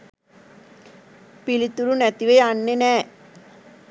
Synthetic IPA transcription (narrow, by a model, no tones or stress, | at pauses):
pilit̪ːuɾunɛt̪iʋejanːenɛː